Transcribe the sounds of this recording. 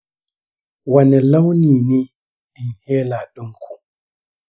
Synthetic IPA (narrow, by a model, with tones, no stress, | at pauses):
wa˨nɛ˨la˦wni˨ni˦ | ɗ̥i˨heː˦la˨ɗu˦ŋkʰu˨